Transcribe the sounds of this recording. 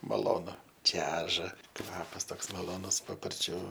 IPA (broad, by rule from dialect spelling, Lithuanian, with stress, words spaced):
mɐˈlˠoːnʊ ˈt͡ʃʲæːʒɐ ˈkʋɑːpɐs ˈtoːks mɐlˠoːˈnʊs pɐpɐrʲˈt͡ʃʲʊ